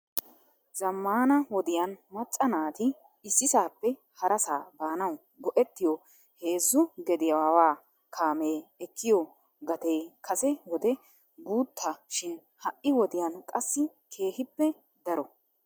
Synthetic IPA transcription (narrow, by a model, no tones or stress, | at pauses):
zɐmːaːnɐwɔd̪ɪjanmɐt͡sʼːɐnaːt̪ɪ | ɪsːɪsaːpːɛ | hɐɾʔɐsaːbaːnɐw | ɡɔʔɛt̪ːɪjɔ | he̞ːzːʊɡɛd̪ɪjɐwawaː | kʰaːmeːɛkːɪjɔ | ɡɐt̪eːkʰɐsɛwɔd̪ɛ | ɡuːt̪ʰːɐʃɪn | hɐʔːɪwɔd̪ɪjankʼɐsːɪ | kʰe̞ːhɪpːɛ | d̪ɐɾɔ